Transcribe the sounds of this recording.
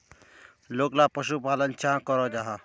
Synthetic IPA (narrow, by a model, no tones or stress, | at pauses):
loːklapəʃupaːlənt͡ʃãkɔɾɔd͡ʒaːɦa